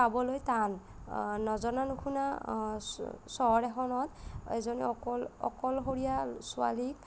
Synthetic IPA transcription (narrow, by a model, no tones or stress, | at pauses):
abɔlojtanː | ɔzɔnanukʰuna | sɔɔɹɛxɔnɔtḛzonḭɔkɔlɔ̰kɔlɦoɹijasʊa̰lik̚